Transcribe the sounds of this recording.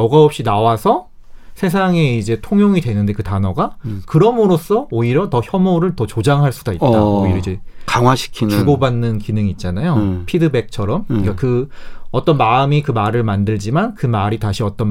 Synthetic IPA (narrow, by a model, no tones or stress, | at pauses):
ʌɡaʌp̚ɕ͈inawasʰʌ | sʰe̞s̬ʰaŋe̞id͡ʑe̞tʰoŋjoŋidwe̞nɯnde̞kɯtanʌɡakɯɾʌmɯɾos͈ʰʌoiɾjʌtʌçjʌmoɾɯɭtʌt͡ɕod͡ʑaŋɦaɭs͈udait̚t͈aoiɾʌid͡ʑe̞kaŋwaɕʰi̥kʰinuɡobanːɯnkinɯŋiːt̚t͡ɕ͈anajopʰidɯbe̞k̚t͡ɕʰʌɾʌmik͈akɯʌt͈ʌnmaɯmikɯmaɾɯɭmandɯɭd͡ʑimankɯmaɾitaɕʰiʌt͈ʌn